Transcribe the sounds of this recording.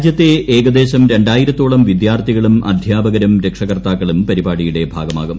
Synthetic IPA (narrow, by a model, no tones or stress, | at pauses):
d͡ʑjɐt̪ːeʔeːɡɐd̪e̞ːɕɐmɾe̞ɳɖaːjiɾɐt̪ːoːɭɐmʋid̪jaːrt̪ʰiɣɐɭumʔɐ̰d̪ʱjaːbɐɣɐɾɐmɾe̞kʂɐɣrt̪aːkːɐɭumpɐɾibaːɽijuɽe̞bʱa̰ːɡɐmaːɡum